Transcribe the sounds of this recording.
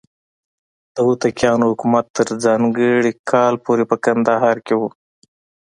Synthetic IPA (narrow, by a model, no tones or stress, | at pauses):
d̪̥əwut̪akjɑːnohʊkumat̪ːəɾzɑːŋɡəɽikʰɑːlpoɾepəkand̪əɦɑːɾkewu